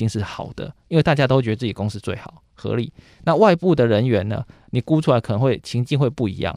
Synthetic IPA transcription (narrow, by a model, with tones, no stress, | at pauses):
i˥˧ŋʂɻ̩˥˩xɑ˨˩ʊd̪ə̰˦i˥nwe˥˧t̪a˥˧t͡ɕa˥t̪o˥wt͡ɕɛ˧t͡s̩˥˩i˨˩˨ko˥ŋsʂ̩˥˧t͡swe˥˩ɪxɑ˨˩˦ʊ | xɤ̰˧˦li˨˩˦ | na˥˨wa˥˧ɪpu˥˨d̪ə˨ɻə˧˦nɥɛ˧˥nːə̰˧ni˨˩ku˦ʈ͡ʂʰu˥la˧˥ɪkʰə˨˩ə˧˦ŋwe˥˩ɪt͡ɕʰi˧˥˦ŋt͡ɕi˥˧ŋxwe˥˧ɪpu˥˩ḭ˧˥jɑ̰˥˨ŋ